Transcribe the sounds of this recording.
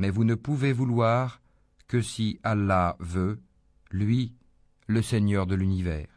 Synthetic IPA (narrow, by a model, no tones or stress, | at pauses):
mɛvunəpuvevulwaʁ | kəsiʔalːavø | lɥi | ləsɛɲœʁd̪əlynivɛ̰ːʁ